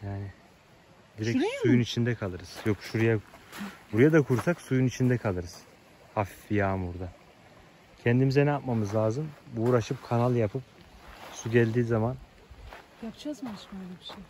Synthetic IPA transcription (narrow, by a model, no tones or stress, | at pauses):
jaːnɪ | d̪iɾɛcsujunit͡ʃʰind̪ɛkʰalˠɯɾɯz̥jokʃuɾujabuɾujad̪akʰuɾsaksujunit͡ʃʰind̪ɛkʰalˠɯɾɯz̥ | haffijaːmuɾd̪a | cʰɛnd̪imizɛnɛjap̚mamɯzlʲˠaːzɯmbuːɾaʃɯp̚kʰanalˠjapʰɯp̚suɟɛlʲd̪iːzaman | japt͡ʃazmaʃølʲbiʃej